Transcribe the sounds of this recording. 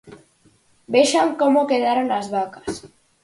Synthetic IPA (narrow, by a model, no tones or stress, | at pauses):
beʃaŋkomokeðaɾonazβakḁs